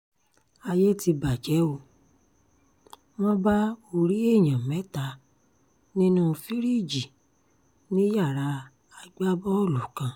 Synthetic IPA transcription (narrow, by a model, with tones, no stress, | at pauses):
a˧je˦ti˧ba˨d͡ʒɛ˨˦o˧ | w̃ɔ̃˦ba˦o˧ɾi˦e˦˨j̃ã˨mɛ̃˨˦ta˧ | nĩ˦nũ˦˧fi˦ɾi˦˨d͡ʒi˨ | nĩ˦ja˦˨ɾa˧ | a˧ɡ͡ba˦bɔ˦o˦˨lu˨kã˧˦